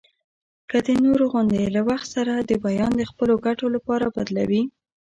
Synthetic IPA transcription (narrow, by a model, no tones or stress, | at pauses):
kəd̪ənoɾoɣʊnd̪elawaxt̪saɾad̪əbajɑnd̪əxpəloɡaʈolapɑɾabad̪la̰wi